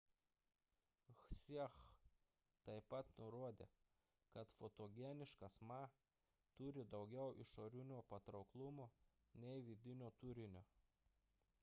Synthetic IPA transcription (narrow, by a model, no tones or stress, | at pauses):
sʲix | t̪ɐɪpɐt̪nʊɾoɔd̪ʲḛː | kɐt̪fot̪oːɡʲɛnʲɪʃkɐsmɑ | t̪ʊɾʲɪd̪ɒʊɡʲɛʊʔɪ̰ʃoːɾʲʊnʲoːpɐt̪ɾɒʊklˠʊmoː | nʲɛɪʋʲid̪ʲɪnʲoːt̪ʊɾʲɪnʲoː